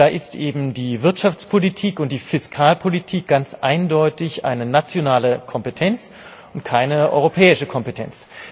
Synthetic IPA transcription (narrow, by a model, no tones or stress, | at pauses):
daːʔɪstʔeːbm̩diːvɪɐtʃaft͡spʰolitʰiːkʊnt̚d̥iːfɪskʰaːlpʰolitʰiːk̚ɡ̥ant͡sʔa̰ɪndɔʏtɪçʔa̰ɪnənat͡sjonaːləkʰɔmpetʰɛnt͡s | ʊntkʰaɪnəʔɔ̰ʏʁopʰɛːɪʃəkʰɔmpetʰɛ̰nt͡s